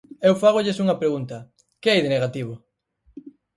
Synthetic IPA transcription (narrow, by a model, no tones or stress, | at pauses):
ewfaɣ̞oʎɪsuŋɐpɾeɣunt̪ɐ | kɪajðeneɣat̪iβo